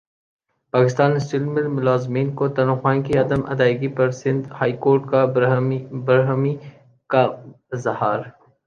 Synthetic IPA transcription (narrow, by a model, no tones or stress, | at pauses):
paːkɪst̪aːnsɪlmɪlmʊlaːzmiːnkot̪ɐnuxwãːkiɐd̪əmʔɐ̰d̪aːɪɡipɐɾsɪ̃nd̪haːikoːɾʈka | bɐɾɦmi | ka | zɐhaːɾ